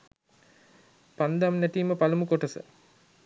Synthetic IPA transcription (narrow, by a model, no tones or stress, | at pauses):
pand̪amnæʈ̪iːməpalumukoʈɐsə̰